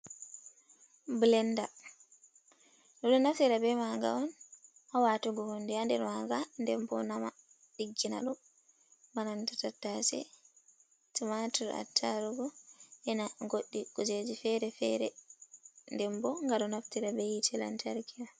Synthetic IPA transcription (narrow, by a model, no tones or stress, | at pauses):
blɛnda | ɗɔɗɔnaftiɾabɛmaŋɡa̰ɔn | ʔawatuɡɔhondɛandɛɾmaŋɡandɛmbɔ̰nama | ɗiɡːina̰ɗɔ | manantḁtatːasɛ̰ | timatuɾa̰tʰːaɾuɡɔʔɛnaŋɡoɗːiɡ̥ɔd͡ʒed͡ʒifɛɾɛfɛ̰ɾɛ̰ | ndɛmbɔŋɡaɗɔnaftiɾabɛjitʰɛla̰ntʰaɾkija